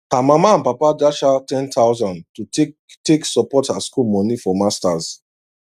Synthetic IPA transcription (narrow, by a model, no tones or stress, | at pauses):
hamamaãnpapadaʃatɛ̃nt̪ʰaʊzãndtu | teksɔpɔthaskulmɔnifɔmastaz̥